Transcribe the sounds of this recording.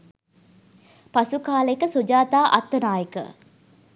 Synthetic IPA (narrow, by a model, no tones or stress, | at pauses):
pasukaːləekəsod͡ʒaːt̪aːʔɐ̰t̪ːənaːjəkə̰